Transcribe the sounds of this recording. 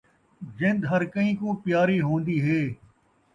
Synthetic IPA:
d͡ʒɪ̃nd̪ɦɐɾkəĩːkõːpjaːɾiːɦõːnd̪iːɦeː

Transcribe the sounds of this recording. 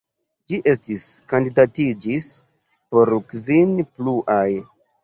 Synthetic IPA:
d͡ʒiʔe̞stiskandidatid͡ʒis | po̞ɾkvinpluʔaj

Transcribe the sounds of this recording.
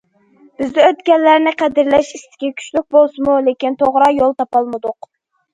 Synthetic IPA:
b̥ɪzd̪ɪøt̪ɡʲɛnlːæɾnɪqʰæd̪ɪɾlɛʃist̪ʰɪ̥ɡʲɛkʲʰy̥t͡ʃlyk̚ʲbolˠsɨmulekʲint̪ʰoʁɾɑjolˠt̪ɑpɑlˠmɨd̪ʊq

